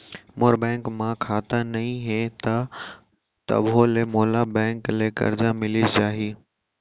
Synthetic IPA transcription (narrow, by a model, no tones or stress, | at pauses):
moːɾbɛ̃ːŋkmãkʰaːt̪anɐɦĩɦet̪ɐ | t̪ɐ̰bɦolemoːlabɛ̃ːŋklekɐ̰ɾd͡ʑamɪlit͡ɕaːɦiː